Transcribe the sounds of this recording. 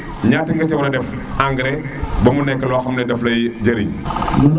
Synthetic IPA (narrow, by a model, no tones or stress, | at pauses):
ɲaːtiŋɡɐt͡ʃɛblɐdɛf | aŋɡɾɛ | bɐmunɛkːɐlɔːxɐmnɛdɛflɐjd͡ʒɐɾḭɲ